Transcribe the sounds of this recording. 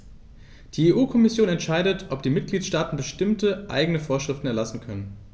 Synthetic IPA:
d̥iːeːʔuːkʰɔmɪsjoːnɛntʃaɪdətʰʔɔpd̥iːmɪt̚ɡ̥liːtʃtaːtn̩bəʃtɪmtəʔa̰ɪɡəŋnəfoːɐʃʁ̥ɪftn̩ɛɐlasn̩kʰœnən

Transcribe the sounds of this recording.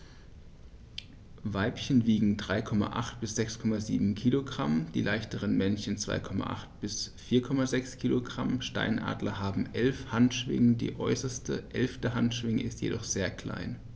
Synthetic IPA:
vaɪpçənviːɡŋ̩dʁaɪkʰɔma̰ʔa̰χtb̥ɪsz̥ɛkskʰɔmazḭːbm̩kʰiːloɡʁamd̥iːlaɪçtəʁənmɛnçənt͡sv̥a̰ɪkʰɔma̰ʔa̰χt̚b̥ɪsfiːɐkʰɔmazɛkskʰiːloɡʁa̰mʃta̰ɪnʔa̰ːdlɐhaːbm̩ʔɛlfhantʃv̥ɪ̰ŋədḭːʔɔ̰ʏsɐstəʔɛlftəɦantʃv̥ɪŋəʔɪstjḛdɔχz̥eːɐkl̥a̰ɪn

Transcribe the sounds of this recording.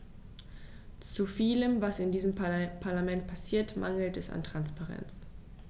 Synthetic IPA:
t͡sufiːləmvasɪndiːzəmpʰaɐlamɛntpʰasiːɐtmʔa̰ŋl̩tɛsa̰ntʁ̥anspaʁɛ̰nt͡s

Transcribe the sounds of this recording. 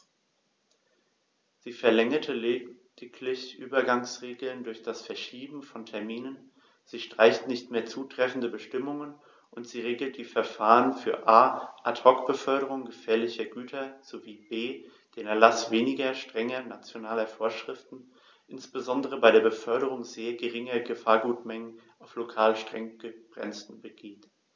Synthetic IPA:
z̥iːfɛɐlɛŋɐtʰəleːd̥ɪkʰlɪçʔyːbɐɡaŋsʁeːɡl̩ndʊɐçd̥asfɛɐʃiːbm̩fɔntʰɛɐmiːnən | z̥iːʃtʁ̥aɪçtnɪçtmeːɐt͡suːtʁ̥ɛfn̩dəbəʃtɪmʊŋən | ʔʊntz̥iːʁeːɡl̩t̚d̥iːfɛɐfaːʁənfyːɐʔaːʔatʁɔkb̥əfœɐɾəʁ̞ʊŋɡəfɛːɐlɪçɐɡyːtʰɐz̥oviːbeː | d̥eːnɛɐlasv̥eːnɪɡɐʃtʁ̥ɛŋɐnat͡sjonaːlɐfoːɐʃʁ̥ɪftn̩ | ʔɪnsb̥əzɔndəʁ̞əbaɪɾeːɐbəfœɐɾəʁ̞ʊŋzeːɐɡəʁɪŋɐɡəfaːɐɡuːtmɛŋən | aʊflokʰaːlʃtʁ̥ɛŋɡ̥əb̥ʁɛ̰nstən̩bəɡeːt

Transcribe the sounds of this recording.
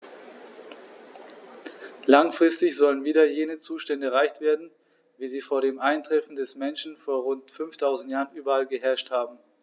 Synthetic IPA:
laŋfʁ̥ɪstɪçz̥ɔlənviːdɐjeːnət͡suːʃtɛndəɛʁ̞aɪçtv̥eːɐdn̩ | viːziːfoːɐɾeːmʔaɪntʁ̥ɛfn̩dɛsmɛnʃn̩foːɐʁʊntfʏnftʰaʊzn̩tjaːʁənʔyːbɐalɡəɦɛɐʃthaːbm̩

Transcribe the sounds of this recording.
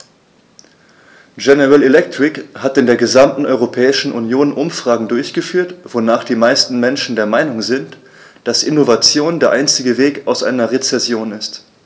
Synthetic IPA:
ɡɛnəʁalelɛk̚tʁ̥ɪkhatɪndeːɐɡəzamtn̩ʔɔʏʁopʰɛːɪʃn̩ʔunjoːnʔʊmfʁ̥aːɡŋ̩dʊɐçɡ̥əfyːɐtv̥onaːχd̥iːmaɪstn̩mɛnʃn̩deːɐmaɪnʊŋzɪnt | d̥asʔɪnovat͡sjoːndeːɐʔaɪnt͡sɪɡəveːkaʊsʔa̰ɪnɐʁet͡sɛsjoːnɪst

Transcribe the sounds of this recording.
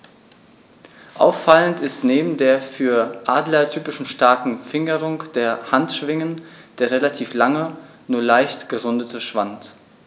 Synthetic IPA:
ʔa̰ʊfːaləntɪstneːbm̩deːɐfyːɐʔaːdlɐtʰyːpɪʃn̩ʃtaɐkŋ̩fɪŋəʁʊŋkd̥eːɐhantʃv̥ɪŋənd̥eːɐʁelatʰiːflaŋə | nuːɐlaɪçtɡ̥əʁʊndətəʃv̥ant

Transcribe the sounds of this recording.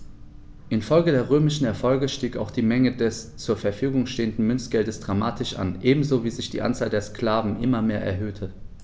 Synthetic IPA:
ʔɪnfɔlɡədeːɐʁøːmɪʃn̩ɛɐfɔlɡəʃtiːkaʊxd̥iːmɛŋədɛst͡suːɐfɛɐfyːɡʊŋʃteːəndn̩mʏnstɡ̥ɛldəsd̥ʁamaːtɪʃʔa̰nʔeːbm̩zoːviːzɪçd̥ḭːʔa̰nt͡saːldeːɐsklaːvn̩ʔɪmɐmeːɐʔɛ̰ɐɦøːtʰə

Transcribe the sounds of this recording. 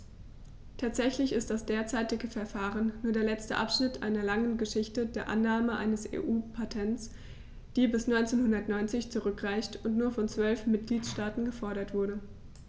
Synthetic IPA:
tʰaːtz̥ɛçlɪçɪst̚d̥asd̥eːɐt͡saɪtɪɡəfɛɐfaːʁ̞ənːuːɐdeːɐlɛt͡stə̰ʔapʃnɪtʔa̰ɪnɐlaŋənɡəʃɪçtədeːɐʔa̰nːaːməʔa̰ɪnəsḛːʔuːpʰatʰɛnt͡s | d̥iːbɪsnɔʏnt͡seːnhʊndɐtnɔʏnt͡sɪçt͡suʁʏkʁ̥aɪçtʊntnuːɐfɔnt͡sv̥œlfmɪt̚ɡ̥liːtʃtaːtn̩ɡəfɔɐɾɐtv̥ʊɐɾə

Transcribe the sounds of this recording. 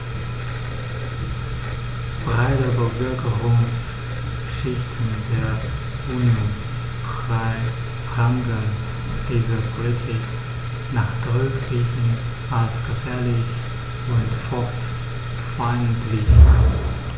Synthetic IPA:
b̥ʁaɪtəbəvʏɐkʰəʁʊŋs | ʃɪçtʰn̩deːɐ | ʔuːnjon | fʁaɪ | ʁaŋɡən | d̥iːzəpʰolitʰik | naːχd̥ɔʏkʁiːçn̩ | ʔalsɡ̥əfɛːɐlɪç | ʊntfɔs | fɔɪntlɪç

